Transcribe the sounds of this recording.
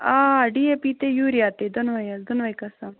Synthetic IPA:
aːɖiepit̪ejuɾijat̪ed̪ɔnʋɐjazd̪unʋɐjkasa

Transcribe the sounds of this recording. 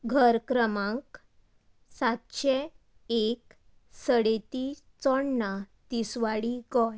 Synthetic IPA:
ɡʱəɾkɾəmãŋk | sat̪ɕe | ek | səɽet̪i | t͡sɔɳːat̪isʋaɽiɡɔj

